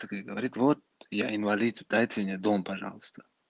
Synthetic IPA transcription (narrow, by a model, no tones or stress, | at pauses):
ɐkəɡəvɐɾʲit̪vot̪̚jaɪnvɐlʲit̪d̪ajtʲɪmnʲed̪ompɐʐa̰lˠəst̪ʰə̥